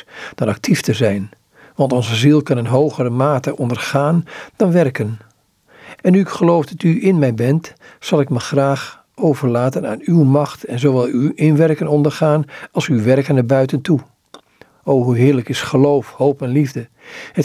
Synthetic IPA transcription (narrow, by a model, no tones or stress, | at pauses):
d̥ɔnɑk̚tʰiftəzɛjn | ʋɑntɔnzəzilˠkɑnɪnɦowɣəɾəmaːtəʔɔndərχaːnd̥ɑnʋɛrkən | ɛnːyɪkχəlowfdɑtyɪnmɛjbɛntsɑlˠɪkməχraːχ | owvərlaːtəna̰ːnywmɑxtɛnzowʋɛlˠyʔɪnʋɛrkənɔndərχaːnɑlˠsyʋɛrkənəbœɥtəntʰu | owɦuɦɪːɹləkɪsχəlowfhowpɛnlivdə | hə